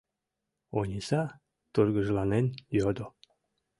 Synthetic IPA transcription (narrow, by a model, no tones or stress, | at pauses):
onʲisɑ | t̪urɡəʒlˠɑnenjod̪o